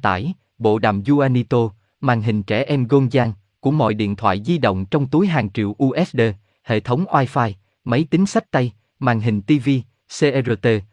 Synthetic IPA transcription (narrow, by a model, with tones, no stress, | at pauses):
t̪a̰ː˧˩j | ɓo̰˧˨ɗa̰ː˨˩mzu˧ʔaː˧ni˧t̪o˧ | maː˨˩ŋɦï˨˩ŋ̟t͡ɕɛ˧˩ʔɛ˧mɣo˧nzaː˧ŋ | ku˧˩əmɔ̰˧˨jɗḭ˧˨ənt̪ʰwa̰ː˧˨jzi˧ɗə̰˧˨wŋ͡mt͡ɕɔ˧wŋ͡mt̪u˨˦jɦaː˨˩ŋt͡ɕḭ˧˨əwʔu˧ʔɛ˦˥t̚ɗe˧ | hḛ˧˨t̪ʰə˨˦wŋ͡mʔwaː˧jfaː˧j | mə˨˦jt̪ï˨˦ŋ̟sa˦˥k̟̚t̪a˧j | maː˨˩ŋɦï˨˩ŋ̟t̪i˧vi˧ | se˧ʔe˧zo˧t̪e˧